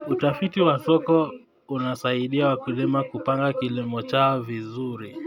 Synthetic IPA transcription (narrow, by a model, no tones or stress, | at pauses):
utafitiwasɔkɔ | unasaiɗiawakulimakupaŋɡakilimɔt͡ʃaɔvizuɾi